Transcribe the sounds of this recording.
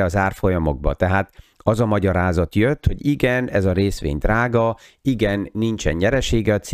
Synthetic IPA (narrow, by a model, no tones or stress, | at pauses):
ɒzaːrfo̞jɒmo̞̰ɡ̚bɒ̰t̪ɛɦaːt̪ | ɒzɒmɒɟɒɾaːzɒt̪jøt̪ho̞ɟiɡɛnɛzɒɾeːsʋḛːɲd̪raːɡɒiɡɛnːint͡ʃɛ̰ɲɲɛɾɛʃeːɡɛɒt̪s